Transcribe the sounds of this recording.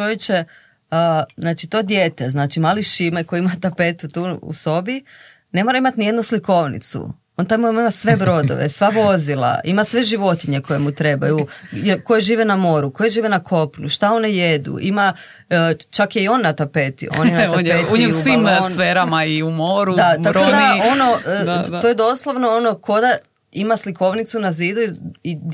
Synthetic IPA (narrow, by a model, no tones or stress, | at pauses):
t͡ʃojet͡ʃe | əznaːt͡ʃit̪o̞d̪je̞t̪eznaːt͡ʃimaliʃimeko̞jeimat̪ape̞t̪ut̪uːṵso̞bi | ne̞mo̞ɾaimat̪nije̞d̪nusliko̞ʋnḭt̪sṵ | o̞nt̪ajmuimaimasʋe̞bɾo̞d̪o̰ʋḛsʋaʋo̞zila̰ʔimasʋe̞ʒiʋo̞t̪iɲeko̞jemut̪ɾe̞bajujelko̞jeʒiːʋenamo̞ɾuko̞jeʒiːʋenakʰo̞pɲuʃt̪ao̞nejed̪ṵʔima | t͡ʃakjeio̞nːat̪apet̪ḭoonint̪aeɲimnsfeɾamaiumoɾud̪at̪akɾod̪ao̞no̞t̪ojed̪o̞slˠoʋnoono̞ko̞d̪a | imasliko̞ʋnit̪sunaziːd̪ui